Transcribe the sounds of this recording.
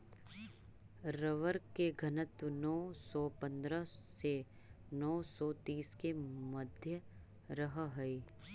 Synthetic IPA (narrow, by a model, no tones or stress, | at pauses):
ɾəʋəɾkkːeɡʱɐnət̪nɔːsɔːpɐ̃nd̪ɾəse | nɔːsɔːt̪iːskemɐd̪ʱjə | ɾəɦɦɐi